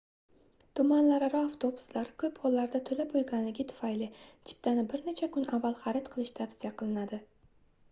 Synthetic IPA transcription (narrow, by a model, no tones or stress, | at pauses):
t̪ʰʊmanlaɾaɾɒaft̪ʰo̞bʊ̥slaɾkʲʰɵpqʰolːaɾd̪at̪ʰɵlapolɡʲanlɪɡʲɪt̪ʰʊ̥fajlɪt̪ʰɪ̥p̚t̪anɪbɪɾnet͡ʃʰakʰʊnavːalˠχɑɾɪt̪qʰɨlˠɪʃt̪ʰabsijaqʰɨlˠɪnad̪ɪ